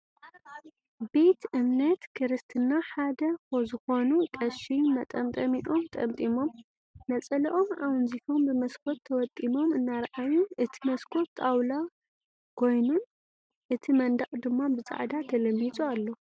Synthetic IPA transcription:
be̞t̪ʔɨmnɐt̪kʰɨɾɨst̪ʰɨnːaħad̪ɐkozɨxo̞nukʼɐʃimɐt̪ʼɐmt̪ʼɐmiʔo̞mt̪ʼɐmt̪ʼimo̞mː | ɐt͡sʼɐlɐʔo̞mawɨnzifombɨmɐskʰo̞t̪ʰːɐwɐt̪ʼːimo̞mɨnːaɾʔajuʔɨt̪ʰimɐskʰo̞t̪ʰːawla | kʰo̞jnun | ʔɨt̪ʰimɐnd̪aχʼd̪ɨmːabɨt͡sʼa̰ʕd̪at̪ʰɐlɐmːit͡sʼualːo̞

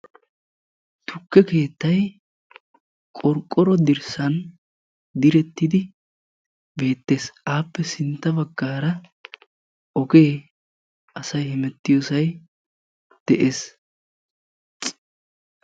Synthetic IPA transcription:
t̪ʰʊkːɛke̞ːt̪ːɐj | kʼɔɾkʼːɔɾɔd̪ɪɾsɐn | d̪ɪɾɛt̪ːɪd̪ɪ | be̞ːt̪ːe̞ːsʔaːpːɛsɪnt̪ːɐbɐɡːaːɾɐ | ʔɔɡe̞ː | ʔɐsɐjhɪmɛt̪ːɪjoːsɐj | d̪̥ɛʔe̞ːs

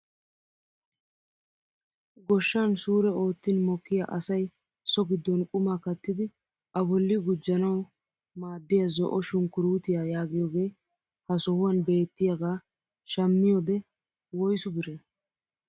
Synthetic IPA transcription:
ɡɔʃːɐnsuːɾɛo̞ːt̪ːɪnmɔkːɪja̰ʔɐsɐj | sɔɡɪd̪ːɔnkʼʊmaːkɐt̪ːɪd̪ɪ | ʔɐbɔlːɪɡʊd͡ʒːɐnɐw | maːd̪ːɪjɐzɔ̰ʔɔʃʊŋkːʊɾuːt̪ɪjajaːɡɪjɔːɡeː | hɐsɔhʊwɐnbe̞ːt̪ːɪjɐɡaː | ʃɐmːɪjɔd̪ɛ | wɔjsʊɡɪɾɛ

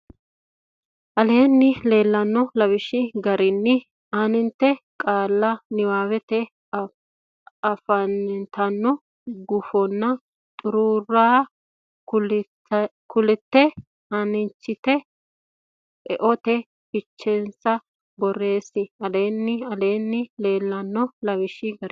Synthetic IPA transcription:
ʔɐleːnːɪle̞ːlːɐnːɔlɐbɪʃɪɡɐɾɪnːɪ | anɪnt̪ːɛkʼaːlːɐnɪwaːwɛt̪ɛ | ɐfɐnnt̪ɐnːɔ | ɡʊfɔnːɐ | t̪ʼʊɾuːrːaː | kʊlɪt̪ːɛ | ɐnɪnt͡ʃːɪt̪ɛ | ɛʔɔt̪ɛ | pɪt͡ʃːɛnsɐ | bɔre̞ːsːɪɐleːnːɪɐleːnːɪle̞ːlːɐnːɔlɐβɪʃɪɡɐɾ

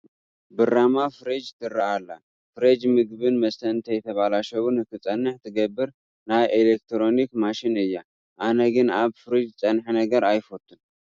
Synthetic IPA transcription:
bɨramafɨɾed͡ʒt̪ʰɨrːaʔalːa | fɨɾed͡ʒmɨɡβɨnmɐst̪ʰɐnt̪ʰɐjɛt̪ʰɐβalaʃɐwunɨkɨt͡sʼɐnːɨħt̪ʰɨɡɐbːɨɾ | najʔelek̚t̪ʰɾo̞nikmaʃɪnɨjːa | ʔanɐɡɨnaβfɨɾid͡ʒt͡sʼɐnħinɐɡɐɾajfot̪ʰːun

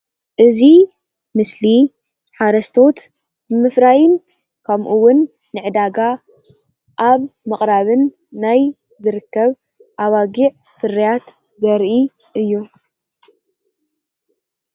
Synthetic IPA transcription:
ʔɨzi | mɨsli | ħaɾɐst̪ʰo̞t̪ | bɨmɨfɾajɪn | kʰɐmʔuwʊnː | ɨʕɨd̪aɡa | ʔaβmɨχʼɾaβɨnː | aj | zɨɾɨkːɐβ | ʔaβaɡiʕ | fɨrijat̪ | zɐɾʔi | ʔɨjːu

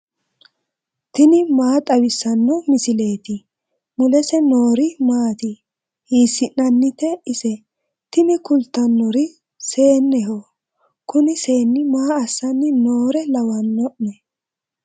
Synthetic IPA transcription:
t̪ɪnɪmaːt̪ʼɐwɪsːɐnːɔmɪsɪle̞ːt̪ɪ | mʊlɛsɛno̞ːɾɪmaːt̪ɪ | hiːsːɪnːɐnːɪt̪ɛɪsɛ | t̪ɪnɪkʊlt̪ːɐnːɔɾɪ | se̞ːnːɛɦo | kʊnɪse̞ːnːɪmaːɐsːɐnːɪnoːɾɛlɐwɐnːɔʔnɛ

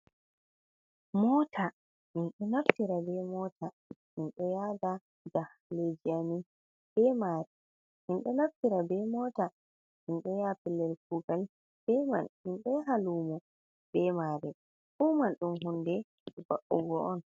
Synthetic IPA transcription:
mɔtʰa | minɗɔnaftiɾabɛmɔtʰa | minɗɔjada | d͡ʒah | led͡ʒiani | b̥ɛmaːɾɛ | minɗɔnaftiɾabɛmɔta | minɗɔjapilːɛɾkuɡal | b̥ɛma̰nminɗɔɦaluːmɔ | bɛmaːɾɛ | ʔumanɗumɦundɛ | baʔṵɡɔʔɔn

